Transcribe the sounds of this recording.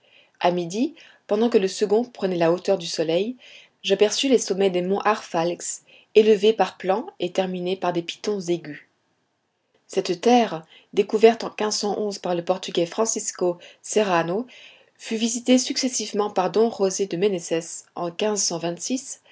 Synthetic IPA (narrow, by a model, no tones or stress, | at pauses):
amid̪i | pɑ̃d̪ɑ̃kələsəɡɔ̃pχənɛlaot̪œʁd̪ysɔlɛj | ʒapɛʁsylesɔmɛd̪emɔ̃ʔaʁfalks | eləvepaʁplɑ̃et̪ɛʁminepaʁd̪epi̥t̪ɔ̃zeɡʲy | sɛt̪t̪ɛʁ | d̪ekuvɛʁt̪ɑ̃kʲɛ̃zsɑ̃ʔɔ̃zpaʁləpɔʁt̪yɡʲɛfχɑ̃siskoseʁano | fyvizit̪esyksɛsivmɑ̃paʁd̪ɔ̃ʁozed̪əmenɛsɛsɑ̃kʲɛ̃zsɑ̃vɛ̃t̪sis